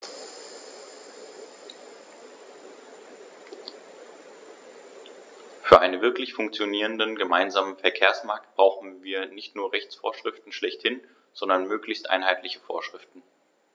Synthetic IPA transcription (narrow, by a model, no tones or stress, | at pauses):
fyːɐʔa̰ɪnənvɪɐklɪçfʊŋk̚t͡sjoniːʁəndənɡəmaɪnzaːmənfɛɐkʰeːɐsmaɐk̚t̚b̥ʁ̥aʊxn̩viːɐnɪçtnuːɐʁɛçt͡sfo̰ːɐʃʁ̥ɪftn̩ʃlɛçthɪn | z̥ɔndɐnmøːklɪçstʔa̰ɪnɦaɪtlɪçə̥fo̰ːɐʃʁ̥ɪftn̩